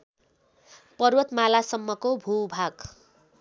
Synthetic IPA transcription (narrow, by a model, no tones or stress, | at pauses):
pʌrwʌt̪malasʌmːʌkobʱubʱaɡ